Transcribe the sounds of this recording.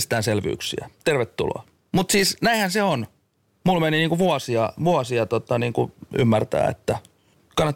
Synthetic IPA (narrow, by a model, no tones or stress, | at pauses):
st̪æːnselʋy̰ːksḭæt̪erʋet̪ːṵlo̰ɑ | mut̪siːsnæihænseon | mulmeniniːŋkuʋuɑsiɑʋuɑsiɑt̪ot̪ɑniːŋkṵy̰mːært̪æ̰ːḛt̪ːæ | kɑnːɑt̪